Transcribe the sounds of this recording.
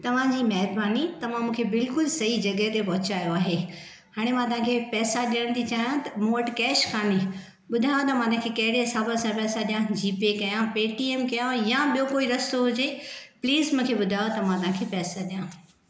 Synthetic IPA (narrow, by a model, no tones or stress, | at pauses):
t̪ɐʋ̤ãd͡ʑiːmɛɦɾbaːnit̪ɐʋ̤ãmũːkʰebɪlkʊlsɐɦid͡ʑɐɡəɦet̪epɐɦʊt͡ɕaːjoaːɦe | haːɽ̃emãt̪ɐʋ̤ɦãkʰepɛːsaɗiəɽ̃t̪ʰit͡ɕaːjãt̪ɐmoːʈkɛːʃkʰaːni | ɓʊd̪ʱajot̪ɐmãːt̪ɐɦãkʰekɐɦɪɽeɦɪsaːbaɐsãpɛːsaɗijãd͡ʑiːpekɐjãpeːʈieːmkɐjajaɓijokoːiɾɐst̪oɦʊd͡ʑepliːzmũːkʰeɓʊd̪ʱaːjot̪ɐmãt̪ɐʋ̤ãŋkʰepɛːsaɗijãː